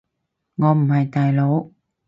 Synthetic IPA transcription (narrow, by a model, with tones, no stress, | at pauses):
ŋɔ˧˩m˨haː˨˩jt̪aː˨˧˩jlo˨˦